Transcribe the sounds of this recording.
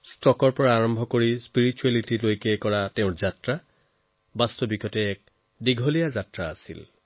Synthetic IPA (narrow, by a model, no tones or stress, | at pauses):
stɔkɔɹpɔɹaːɹɔmbʱɔkoɹispiɹit͡ʃualitilojkɛkɔɹateʊ̃ɹzatɹa | bastɔbiɡʰɔtɛɛk̚ | diɡʱɔlijazatɹaːsḭl